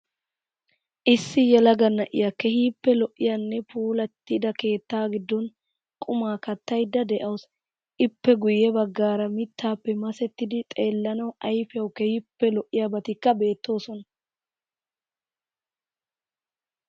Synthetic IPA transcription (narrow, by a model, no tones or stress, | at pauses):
ʔɪsːɪjɛlɐɡɐnːɐʔɪ̰jakɛhiːpːɛlɔʔːɪjanːɛpuːlɐt̪ːɪd̪ɐke̞ːt̪ːaːɡɪd̪ːɔn | kʼʊmaːkɐt̪ːɐjd̪ːɐd̪ɛʔɐws | ʔɪpːɛɡʊjːɛbɐɡːaːɾɐmɪt̪ːaːpːɛmɐsɛt̪ːɪd̪ɪt̪ʼe̞ːlːɐnɐwɐjfjɐwkɛhipːɛlɔʔːɪjabɐt̪ɪkːɐbe̞ːt̪ːo̞ːsɔnɐ